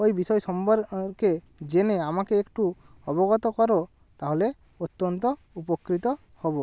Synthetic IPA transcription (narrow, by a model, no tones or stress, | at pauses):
ojbisɔjsɔmbɔɾke | d͡ʒeneamakeːkʈu | ɔbɔɡɔt̪ɔkɔɾo | t̪aɦole | ot̪ːɔnt̪ɔ | upɔkɾit̪ɔ | hobɔ